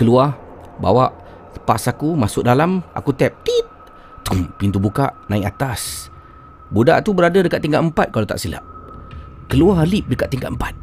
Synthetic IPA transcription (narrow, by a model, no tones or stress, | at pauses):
kəluah | ba̰waʔ | pasakumasʊk̚dalama̰kut̪ɛp̚t̪it̪̚ | t̪umpint̪ubukaʔnãiʔat̪as | buda̰ʔt̪ubəɾadadəkat̪ːiŋɡaʔəmpat̪̚kalat̪a̰ʔsila̰ʔ | kəluaɦlip̚dəkat̪ʔ̪t̪ːiŋɡa̰ʔ̪əmpat̪̚